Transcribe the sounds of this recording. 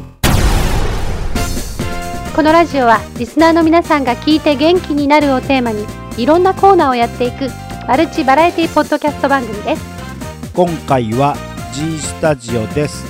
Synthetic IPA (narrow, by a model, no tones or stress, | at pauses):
ko̞no̞ɾaʑio̞βaɾʲisɨnaːno̞mʲinasãŋɡakʲiːt̪e̞ɡẽ̞ŋkʲiɲ̟inaɾɯ̟o̞t̪e̞ːmaɲ̟i | iɾõ̞nːako̞ːnaːo̞jat̪ːe̞ikɯ̟ | baɾɯ̟t͡ɕibaɾaet̪ʲiːpo̞d̪ːo̞kʲasɨ̥t̪obãŋɡɯ̟mʲid̪e̞sɨ̥ | kõ̞ŋkaiβa | d͡ʑisɨ̥t̪aʑio̞d̪e̞sɨ̥